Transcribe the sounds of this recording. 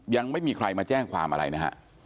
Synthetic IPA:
ja˧ŋma˥˩jmiː˧kʰɾa˧jmaː˧t͡ɕɛː˥˩ŋkʰwa̰ː˧mʔa̰˧ɾa̰˧jna˦˥kʰa̰˦˥ʔ

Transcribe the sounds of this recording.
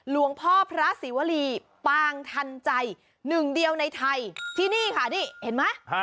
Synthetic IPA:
lu˨˩˦əŋpʰɔː˥˩pʰɾa˦˥siː˩˦wa˧˥liː˧ | paː˧ŋt̪ʰa˧nt͡ɕa˧j | nɯ˨˩ŋdi˧əwna˧jt̪ʰa˧jt̪ʰiː˥˩niː˥˩kʰa˥˩niː˥˩he˩˦nma˦˥

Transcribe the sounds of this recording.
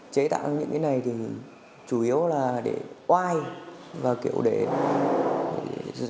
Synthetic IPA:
t͡ɕe˨˦t̪a̰ː˧˨wɲɨ̰˧˥ŋkaː˨˦na˨˩jt̪ʰi˨˩ | t͡ɕu˧˩ʔi˨˦əwlaː˨˩ɗe˧˩ʔwaː˧jvaː˨˩kḭ˧˨əwɗe˧˩˧

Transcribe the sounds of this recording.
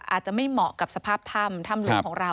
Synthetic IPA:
ʔa̰ː˨˩t̪̚t͡ɕa˨˩ma˥˩mɔː˨˩ka˨˩p̚sa˧pʰaː˥˩p̚t̪ʰa˥˩mt̪ʰa˥˩mlu˧˦˧kʰɔː˩˦ŋɾa˧

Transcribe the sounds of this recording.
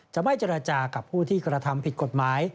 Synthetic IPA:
t͡ɕa˨˩ma˥˩jt͡ɕe˧ɾa˧t͡ɕaː˧ka˨˩pʰːuː˥˩t̪ʰiː˥˩kɾa˧t̪ʰa˧mpʰi˨˩t̪̚ko˨˩t̪̚maː˩˦j

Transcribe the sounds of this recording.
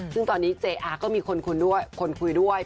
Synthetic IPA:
sɯ˥˩ŋt̪ɔː˧nːiː˦˥t͡ɕeː˧ʔaː˧kɔː˥˩miː˧kʰo˧nkʰu˧jdu˥˩əjkʰo˧nkʰu˧jdu˥˩əj

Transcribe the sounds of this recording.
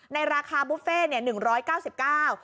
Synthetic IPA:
na˧jɾaː˧kʰaː˧bu˦˥p̚feː˥˩ni˥˩ɐnɯ˨˩ŋɾɔː˦˥jkaː˥˩wsi˨˩p̚kaː˥˩w

